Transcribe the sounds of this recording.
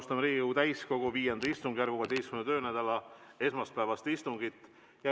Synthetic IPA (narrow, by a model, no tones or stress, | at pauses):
st̪ɑmɾiːɡit̪æjsko̞ɡ̥uviːjend̪ɑist̪uŋɡjærɡ̥uvɑd̪̥ʲejskymnt̪ø̞ːnæd̪̥ɑlɑe̞smɑst̪̚pæevɑst̪ist̪uŋɡit̪ːˑ | jɑ